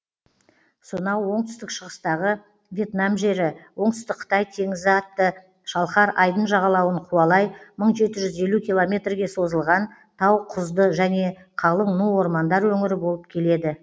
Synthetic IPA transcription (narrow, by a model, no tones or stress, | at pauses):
sonɑwwo̞ɴt̪ʏ̥st̪ɪkʃəʁəst̪ɑʁə | vʲje̞t̪namʒe̞ɾɪwo̞ɴt̪ʏ̥st̪ɪk̚qʰːə̥t̪ɑjt̪ʰe̞ŋɪzɪɑt̪ːə | ʃɑlˠχɑɾɑjd̪ənʒɑʁɑlˠɑwəɴqʰuɑlˠɑjməɴʒe̞t̪ɪʒʏze̞lukʲilˠo̞mʲe̞t̪rɡʲe̞so̞zəlˠʁɑn | t̪ʰɑwqʰʊzd̪əʒæne̞ | qʰɑlˠəmnuwo̞ɾmɑnd̪ɑɾwɵŋɪɾɪbo̞lˠəp̚kʲʰe̞le̞d̪ɪ